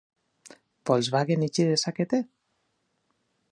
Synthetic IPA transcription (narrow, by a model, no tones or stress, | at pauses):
bɔlzβaɣenit͡ʃiðesaket̪e